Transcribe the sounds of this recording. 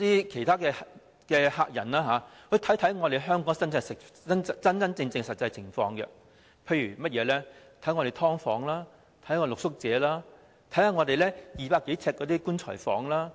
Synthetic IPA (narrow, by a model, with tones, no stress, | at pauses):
t̪iː˥kʰe˨˩jtʰaː˥kɛː˧ | kɛː˧haː˧k̚jɐ̰˨˩nlaː˥ɦaː˨˧ | hɵ˧t̪ʰɐ˨˥jt̪ʰɐ˨˥jŋɔː˨˧t̪e˨˩jɦœː˥ŋkɔː˨˥ŋsɐ˥nt͡sɛ˧sɪ˨ɐ˥n˥t͡sɐ˥nt͡sɐ˥nt͡sɪ˧ŋt͡sɪ˧ŋsɐ˨t̚t͡sɐ˧jt͡sʰɪ˨˩ŋfɔː˧ŋɡɛ̰˧ | pʰe˧jɥyː˨˩mɐ˥t̚jɛː˨˧lɛː˥t̪ʰjŋɔː˧ɾe˨˩jt̪ʰɔː˥ŋfɔ̰ː˨˧˥ŋlaː˥ | t̪ʰɐ˨˥jkɔ˧lʊ˨k̚sʊ˥k̚t͡sɛː˨˧laː˥ | t̪ʰɐ˨˥jhaː˨˧ŋɔː˨˧t̪e˨jlɛː˥jiː˨paː˧kːe˨˥jt͡sʰɛː˧t̚kːɔː˨˧t̪iː˥kuː˥nt͡ʃʰɔ̰ː˨˩jfɔː˨˥ŋlaː˥